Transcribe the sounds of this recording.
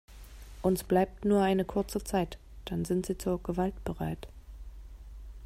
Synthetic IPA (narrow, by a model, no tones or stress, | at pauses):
ʔʊnsb̥laɪp̚tnuːɐʔaɪnəkʰʊɐt͡sət͡saɪt | d̥anzɪntz̥iːt͡suːɐɡəvaltb̥əʁaɪt